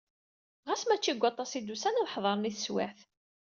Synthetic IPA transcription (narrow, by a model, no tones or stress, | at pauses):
ʁæsmæt͡ʃːiɡʷːɑt̪ˤːɑsid̪usænalħðˤɑɾˤniθəswæ̰θ